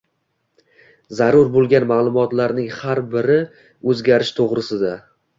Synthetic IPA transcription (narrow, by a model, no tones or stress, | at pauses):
zaɾʊɾbolˠɡʲanmalˠʊmɒt̪laɾnɪŋhaɾbɪɾɪ | ɵzɡʲaɾɪʃt̪ʰoʁɾɪsɪd̪a